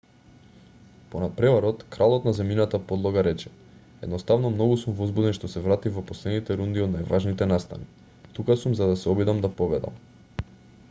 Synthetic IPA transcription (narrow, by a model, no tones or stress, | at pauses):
ponat̪̚pɾɛvaɾɔt̪kɾalˠɔt̪nazɛminat̪apɔd̪lˠɔɡaɾɛt͡ʃɛ̥ | ɛd̪nɔst̪avnɔmnɔɡusumvɔzbud̪ɛnʃt̪ɔsɛvɾat̪ivɔposlɛd̪nit̪ɛɾund̪iod̪najvaʒnit̪ɛnast̪a̰ni | t̪ukasumzad̪asɛɔbid̪amd̪apɔɡlɛd̪a̰m